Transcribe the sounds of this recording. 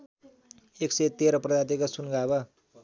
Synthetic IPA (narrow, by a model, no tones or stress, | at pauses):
eksejt̪eɾʌprʌd̪at̪ikasunɡabʌ